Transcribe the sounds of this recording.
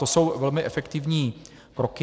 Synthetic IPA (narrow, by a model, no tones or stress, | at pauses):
t̪oso̞wvɛlmɪʔɛfɛkt̪ɪvɲiː | kɾokɪ